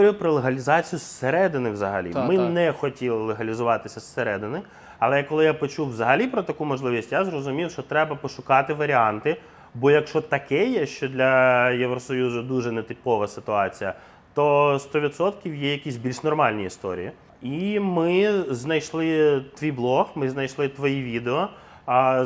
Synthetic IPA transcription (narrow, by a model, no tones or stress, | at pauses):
ɔɾʲijʊpɾɔlˠeɦɐlʲizɑt͡sʲijʊsːeɾɛd̪ɪnɪwzɐɦɐ̰lʲḭmɪnɛxɔtʲilˠɪlˠeɦɐlʲizʊʋɑt̪ɪsʲɐsːeɾɛd̪ɪnɪ | ɐlˠɛkɔlˠɪjapɔt͡ʃuwʋzɐɦɐlʲipɾɔt̪ɐkumɔʒlˠɪʋʲisʲtʲjazrɔzʊmʲiwʃɔt̪ɾɛbɐpɔʃʊkɑt̪ɪʋɐɾʲiɑnt̪ɪ | bɔjɐkʃɔt̪ɐkɛjɛʃt͡ʃɔd̪lʲɐjeʋɾɔsɔjuzʊd̪uʒɛnɛt̪ɪpɔʋɐsɪt̪ʊɑt͡sʲijɐ | t̪ɔst̪ɔʋʲid̪sɔt̪kʲiwjɛjɐkʲisʲbʲilʲʃnɔrmɑlʲnʲiist̪ɔ̰ɾʲḭji | imɪznɐjʃlˠɪt̪ʋʲijblˠɔxmɪznɐjʃlˠɪt̪ʋɔjiʋʲid̪eɔ